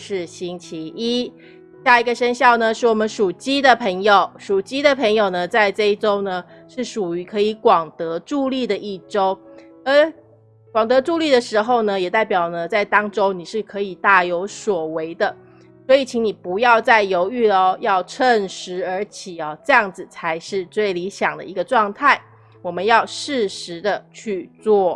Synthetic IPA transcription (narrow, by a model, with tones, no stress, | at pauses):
ʂɻ̩˥˨˩ɕi˥nt͡ɕʰi˧˥ʔi˦˥ | ɕja˥˩i˧˥ɡə˧ʂə˥nɕjɑ˥˩ʊnə˩ʂɻ̩˥˩wɔ˨˩mə˨˦nʂu˨˩t͡ɕi˥d̪ə˨pʰə˧˥ŋjo˨ʊʂu˨˩t͡ɕi˥d̪ə˨pʰə˧˥ŋjo˨˩ʊnə˩t͡sa˥˧ɪʈ͡ʂɤ˥˧i˥˩ʈ͡ʂo˥ʊnə˨ | ʂɻ̩˥˩ʂu˨˩y˧˥kʰɤ˧˥i˧˥˦kwɑ˨˩ŋt̪ɤ˧˦ʈ͡ʂu˥˧li˥˩d̪ə˨˩ʔi˥˩ʈ͡ʂo˥ʊ | ə˧˦ | kwɑ˨˩ŋt̪ɤ˧˦˥ʈ͡ʂu˥˧li˥˩d̪ə˩ʂɻ̩˧˥xo˥˧˩ʊnə˨˩jɛ˨˩t̪a˥˩ɪpjɑ˨˩ʊnə˨t͡sa˥˩ɪt̪ɑ˥ŋʈ͡ʂo˥ʊni˨˩ʂɻ̩˥˩kʰɤ˧˦i˨˩t̪a˥˩jo˧˥ʊswɔ˨˩we˧˥ɪd̪ə˧˨ | swɔ˧˥i˨˩t͡ɕʰi˧˥ŋni˨˩pu˧˥jɑ˥˧ʊt͡sa˥˩ɪjo˧˥ʊy˥˩lə˧jɑ˥˧ʊʈ͡ʂʰə˥˧ŋʂɻ̩˧˥ə˧˥t͡ɕʰi˨˩ɔ˨˩ʈ͡ʂɤ˥˧jɑ˥˩ŋd͡zɹ̩˨˩t͡sʰa˧˥ɪʂɻ̩˥˧t͡swe˥˩ɪli˧˥ɕjɑ˨˩ŋd̪ə̰˨i˧˥ɡə˧ʈ͡ʂwɑ˥˧ŋt̪ʰa˥˩ɪ | wɔ˨˩mə˦njɑ˥˧ʊʂɻ̩˥˩ʂɻ̩˧˦d̪ə˧t͡ɕʰy˥˧t͡swɔ˥˩